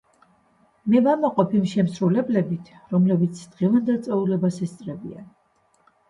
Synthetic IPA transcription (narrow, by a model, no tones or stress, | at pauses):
mɛvamaqʼɔpʰimʃɛmsɾulɛblɛbit̪ʰɾɔmlɛbit̪sʰd̪̥ʁɛvand̪ɛlˠt̪sʼɛulɛbasɛst̪sʼɾɛbḭa̰n